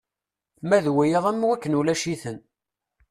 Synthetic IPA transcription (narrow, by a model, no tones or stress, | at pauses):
mæðwæjəðˤæmːwækːənulæʃiθən